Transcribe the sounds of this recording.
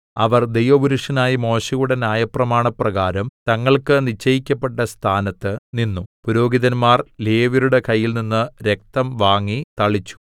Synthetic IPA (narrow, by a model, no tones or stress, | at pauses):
ɐʋɐrd̪e̞jʋɐbuɾuʂɐnaːjimo̞ːɕɐjuɽe̞njaːjɐprɐmaːɳɐprɐɣaːɾɐmt̪ɐŋːɐɭkɨnit͡ɕːɐjikʲːɐpːeʈːɐst̪ʰaːnɐt̪ːɨninːupuɾo̞ːɡiðɐnmaːrleːʋiɾuɽe̞kɐjːilninːɨɾe̞k̚t̪ɐmʋaːŋːit̪ɐɭit͡ɕːu̥